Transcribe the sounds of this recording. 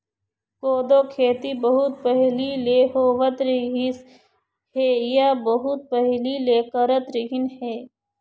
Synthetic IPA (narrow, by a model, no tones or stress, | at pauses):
koːd̪oːkʰeːt̪ibɐɦʊt̪̚pɐɦlileːɦoːʋət̪ɾiɦis | heːjabɐɦʊt̪̚pəɦlileːkəɾət̪ɾɪɦinheː